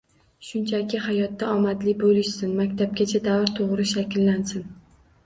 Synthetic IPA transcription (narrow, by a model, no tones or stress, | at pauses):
ʃʊnt͡ʃʰakʲɪɦajɒt̪ːaɒmad̪lɪbolɪʃsɪnmakʲt̪ʰab̚ɡʲat͡ʃʰad̪avɾt̪ʰoʁɾɪʃakʲɪlːansɪn